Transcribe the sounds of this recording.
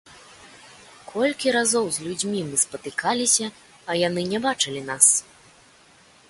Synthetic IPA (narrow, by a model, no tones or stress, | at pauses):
kʰɔlʲkʲiɾazɔwzʲlʲud͡zʲmʲimɨspɐt̪ɨkalʲisʲɐ | ɐjanɨnʲɛbat͡ʂɨlʲinas